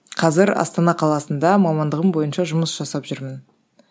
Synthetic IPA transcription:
qʰɑzɪɾɑ̰st̪ɑnɑqʰɑlˠɑsənd̪ɑmɑmɑnd̪əʁəmbo̞jənʃɑʒʊməsʒ̥ɑsɑpʒʏɾmən

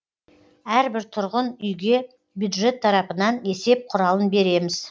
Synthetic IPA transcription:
æɾbɪɾt̪ʰʊɾʁənʏjɡʲe̞ | bjud̪ʒe̞t̪ʰːɑɾɑpənɑne̞se̞p̚qʰʊɾɑlˠənbe̞ɾe̞mɪz̥

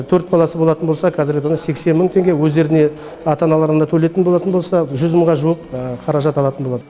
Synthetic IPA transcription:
t̪ʰɵɾt̪̚bɑlˠɑsəbo̞lˠɑt̪ənbolˠsɑqʰɑzɪɾɡʲɪt̪ʰɑnɑse̞kse̞nməŋt̪ʰe̞ŋɡʲe̞wɵzd̪e̞ɾɪne̞ | ɑt̪ɑnɑlˠɑɾənd̪ɑt̪ʰɵle̞t̪ɪnbolˠɑt̪ənbosɑʒʏzməɴʁɑʒuəpqʰɑɾɑʒɑt̪ɑlˠɑt̪ənbo̞lˠɑd̪ə

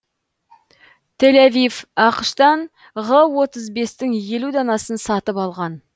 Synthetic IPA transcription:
t̪ʰe̞lavifɑqəʃt̪ɑn | ʁəwo̞t̪əzbe̞st̪ɪŋje̞lud̪ɑnɑsənsɑt̪əpɑlˠʁɑn

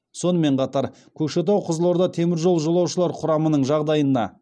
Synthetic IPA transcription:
so̞nəme̞ɴqʰɑt̪ɑɾ | kʲʰɵʃet̪̬ɑwqʰʊzlˠoɾd̪ɑt̪ʰe̞mɪɾʒo̞lˠʒolˠɑwʃəlˠɑɾqʰʊɾɑmənəɴʒɑʁd̪ɑjənɑ̰

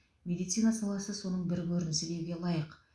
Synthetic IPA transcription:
mʲe̞d̪ijt̪sijnasɑlˠɑsəso̞nəɴbɪɾbɵɾɪnɪsɪd̪e̞ɾɡʲe̞lˠɑjəq

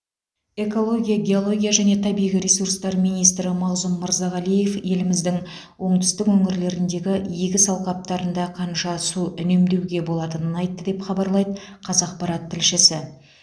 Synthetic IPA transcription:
e̞ko̞lˠo̞ɡʲijaɡʲe̞o̞lˠo̞ɡʲijaʒæne̞t̪ʰɑbijʁiɾʲe̞suɾst̪ɑɾmijnijst̪ɾɪmɑʁzʊmːəɾzɑʁɑlije̞fje̞lɪmɪzd̪ɪŋ | wo̞ɴt̪ʏ̥st̪ɪkwɵŋɪɾle̞ɾɪnd̪e̞ɡʲɪjeɡʲɪsɑlˠqɑp̚t̪ɑɾənd̪ɑqʰɑnʃɑsuʏne̞md̪ewɡʲe̞bo̞lˠɑt̪ənənɑjt̪ːəd̪e̞pχɑbɑɾlˠɑjd̪ə | qʰɑzɑq̚pɑɾɑt̪ʰːɪlʃɪsɪ

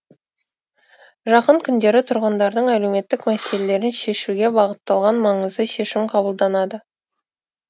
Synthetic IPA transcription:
ʒɑqəɴkʲʰʏnd̪e̞ɾɪt̪ʰʊɾʁənd̪ɑɾd̪əɴæle̞wme̞t̪ːɪkmæse̞lele̞ɾɪnʃe̞ʃuɡʲe̞bɑʁət̪ːɑlˠʁɑnmɑɴəzd̪əʃe̞ʃɪmqʰɑbəlˠd̪ɑnɑd̪ə

